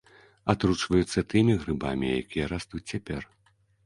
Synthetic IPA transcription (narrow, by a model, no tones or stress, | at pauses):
at̪ɾut͡ʂvɐjut̪sːɐt̪ɨmʲiɣɾɨba̰mʲija̰kʲijɐɾast̪ut͡sʲt͡sʲapʲɛr